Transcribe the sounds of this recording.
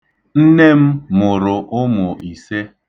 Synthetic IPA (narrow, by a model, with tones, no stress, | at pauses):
n̩˦ne˦m̩˦mʊ˨ɾʊ˨ʔʊ˦mʊ˨ʔi˨se˦